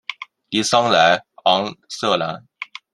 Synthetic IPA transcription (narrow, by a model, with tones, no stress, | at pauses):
li˧˥sɑ˥ŋla˧˥ɪɑ˧˥ŋsɤ˥˩la˧˥n